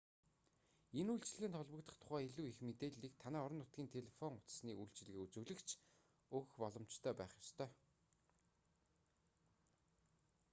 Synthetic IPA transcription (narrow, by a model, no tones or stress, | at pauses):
enujɬt͡ɕɪ̆ɮɘ̆ɣɘ̆nt̪ʰɔɮpə̆kt̪ə̆χt̪ʰʊ̥χæːiɮuːixmet̪eːɮiːk̚t̪ʰanæːɔɾɞ̆nːʊt̪̚ɡ̥ʲiːnt̪ʰeɮefɔŋʊt͡s̪sniːʔujɬt͡ɕ̆ɮɣeːut͡sŭːɮɘ̆kt͡ɕʰ | ɵxpɔɮɞ̆m̥t͡ɕt̪ʰœːpæːχjɔ̥st̪ʰœː